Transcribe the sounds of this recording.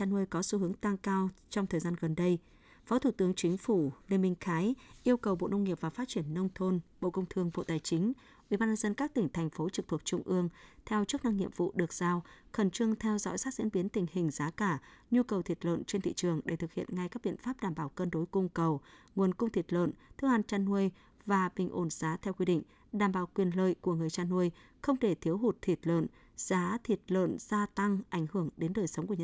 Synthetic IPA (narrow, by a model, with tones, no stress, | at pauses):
t͡ɕaː˧nu˧jkɔ˨˦su˧ɦɨ˨˦əŋt̪a˧ŋkaː˧wt͡ɕɔ˧wŋ͡mt̪ʰəː˨˩jzaː˧nɣə˨˩nɗə˧j | fɔ˨˦t̪ʰu˧˩t̪ɨ˨˦əŋt͡ɕï˨˦ŋ̟fu˧˩le˨˧˩mï˧˩ŋ̟xaː˨˦jʔi˧əwkə˨˩wɓo̰˧˨nə˧wŋ͡mŋi˨˩əp̚vaː˨˩faː˦˥t̚t͡ɕi˧˩ənːə˧wŋ͡mt̪ʰo˧nɓo̰˧˨kə˧wŋ͡mt̪ʰɨ˧əŋɓo̰˧˨t̪aː˨˩jt͡ɕï˨˦ŋ̟ | ʔwi˧˩ɓaː˧nɲə˧nzə˧nkaː˦˥k̚t̪ï˧˩ŋ̟t̪ʰɛ˨˩jŋ̟fo˨˦t͡ɕɨ˨˩k̚t̪ʰt̚t͡ɕʊ˧ŋ͡mʔɨ˧əŋt̪ʰɛ˧wt͡ɕu˦˥ək̚na˧ŋɲḭ˧əmvṵ˧˨ɗɨ˨˩ək̚z̥aː˧wxə˧˩nt͡ɕɨ˧əŋt̪ʰɛ˧wzɔ̰˧˥jsaː˦˥t̚zḭ˧˥ənɓi˨˦ənt̪ï˨˩ŋ̟hï˨˩ŋ̟zaː˨˦kaː˧˩ɲu˧kə˨˩wt̪ʰi˨˩t̚lə̰˧˨nt͡ɕe˧nt̪ʰḭ˧˨t͡ɕɨ˨˩əŋɗe˧˩t̪ʰɨ˨˩k̚hḭ˧˨ənŋa˧jkaː˦˥k̚ɓḭ˧˨ənfaː˦˥p̚ɗaː˧˩mɓaː˧˩wkəː˧nɗo˨˦jkʊ˧ŋ͡mkə˨˩wŋu˨˩ənkʊ˧ŋ͡mt̪ʰi˨˩t̚lə̰˧˨nt̪ʰɨ˧˥əŋha˧˨nt͡ɕaː˧nːu˧əj | vaː˨˩ɓï˨˩ŋ̟ʔo˧˩nz̥aː˨˦t̪ʰɛ˧wkwi˧ɗḭ˧˨ŋ̟ | ɗaː˧˩mɓaː˧˩wkwi˨˩ənlə̰ː˧˨jku˧˩əŋɨ˨˩əjt͡ɕaː˧nːu˧əj | xə˧wŋ͡mɗe˧˩t̪ʰi˨˦əwɦu˨˩t̚t̪ʰi˨˩t̚lə̰˧˨n | z̥aː˨˦t̪ʰi˨˩t̚lə̰˧˨nz̥aː˧t̪a˧ŋʔa˧˩jŋ̟hɨ˧˩əŋɗe˨˦nɗəː˨˩jsə˨˦wŋ͡mku˧˩˨